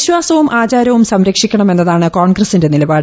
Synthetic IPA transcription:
ɕʋaːsɐʋumʔaːt͡ɕaːɾɐʋumsɐmɾɐkʂikʲːɐɳɐme̞nːɐðaːɳɨkoːɳɡrɐsinde̞nilɐbaːɽɨ

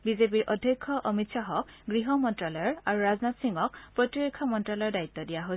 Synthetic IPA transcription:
bizep̬iɹʔɔdʱjɔkʰːɔʔɔmitsaɦɔkɡɹiɦɔmɔntɹalɔjɔɹaɹuɹaznatsiŋɔk̚pɹɔtiɹekʰːɔmɔntɹalɔjɔɹdait̪ːɔdijaɦo

